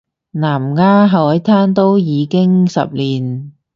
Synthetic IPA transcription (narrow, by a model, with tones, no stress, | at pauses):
naː˨˩mŋaː˥ɦɐ˨wɐ˨˥jt̪ʰaː˥nt̪o˥wjiː˨˧kɪ˥ŋsɐ̰˨p̚liː˨˩n